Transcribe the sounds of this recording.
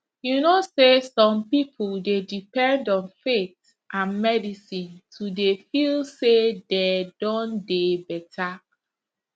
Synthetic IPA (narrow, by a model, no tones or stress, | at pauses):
junosesɔ̃mpipʰuldedipɛ̃ndɔ̃nfet | ʔãnmɛdisĩntʰudefilsedɛdɔ̃ndebɛtʰa